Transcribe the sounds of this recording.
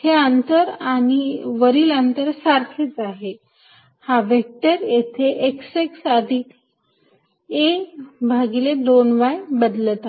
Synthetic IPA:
heənt̪əɾaɽ̃iʋəɾiːlant̪əɾsaɾkʰet͡saɦe | haʋek̚ʈəɾjet̪ʰeʔekseksəd̪ʱik | ebʱaɡiled̪onʋajbəd̪lət̪a

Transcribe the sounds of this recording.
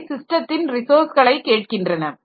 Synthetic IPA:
sɪsʈrɐt̪ːɪnɾɪsoːɾsɣɐɭɐɪkːeːʈ̚kɪndrɐnɐ

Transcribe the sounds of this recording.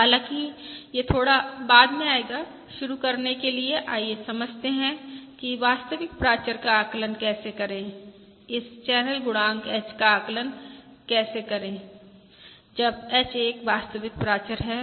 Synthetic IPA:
ɦalãkijet̪ʰoːɽabaːd̪mẽaːeːɡa | ʃʊɾukɐɾnekelieʔaːjesɐməd͡ʒʱt̪eɦɛ̃kiʋaːst̪əʋɪk̚pɾaːt͡ʃəɾkaaːklənkɛːsekɐɾẽː | ɪst͡ʃɛːnəlɡʊɽãːŋɡɛt͡ʃkaaːklənkɛːsekɐɾẽː | d͡ʒɐbɛt͡ʃeːkʋaːst̪əʋɪk̚pɾaːt͡ʃəɾɦɛ

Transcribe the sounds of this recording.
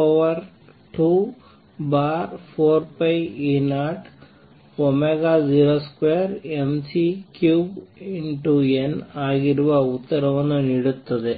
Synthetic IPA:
oʋɐɾ | ʈu | baːɾpʰoːɾpɐjinaːʈ | omeɡaːd͡ʒiːɾoːskʋeɐɾemsikjuːbiɳʈuenaːɡiɾuʋɐut̪ːɐɾɐʋɐnːuniɽut̪ːɐd̪e

